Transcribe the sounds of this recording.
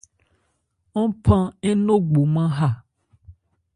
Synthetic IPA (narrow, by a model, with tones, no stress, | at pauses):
ŋɔ̃˦pã˦e˦nõ˦ɡ͡bo˨mã˦ɦa˦˨